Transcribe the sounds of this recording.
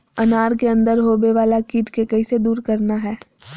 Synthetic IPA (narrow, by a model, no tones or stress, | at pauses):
ɐnaːɾkeɐ̃nd̪əɾɦoːbeʋaːlakiːʈkekɐised̪uːɾkɐɾnaɦɛː